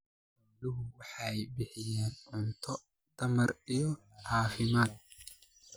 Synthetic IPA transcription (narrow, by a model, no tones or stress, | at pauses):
lʊɦʊwɑħajbɪħɪjeːnʕʊnt̪ʰɔ | t̪ɐmɐɾɪjɔ | haːfɪmaːt̪̚